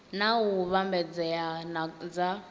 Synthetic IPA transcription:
nauβambɛd͡zɛjanad͡za

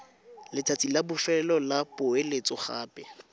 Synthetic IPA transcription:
lɪtʰat͡sʼilabʊfɛlɔlapʊelet͡sʼʊχaːpʼɛ

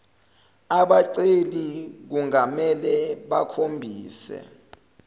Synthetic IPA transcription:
aɓaǀelik̬uŋamɛlɛɓakʰombʱiːsɛ̰

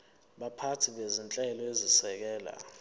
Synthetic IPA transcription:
ɓapʰatʰiɓezint͡ɬʼɛlɔezisɛk̬ɛːla̰

